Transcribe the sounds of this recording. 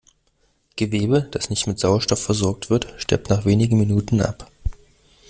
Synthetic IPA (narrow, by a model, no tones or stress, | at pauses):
ɡ̥əveːbəd̥asnɪçtmɪtz̥aʊɐʃtɔfɛɐzɔɐk̚tv̥ɪɐtʃtɛ̰ɐp̚tnaːχv̥eːnɪɡŋ̩minuːtn̩ʔa̰p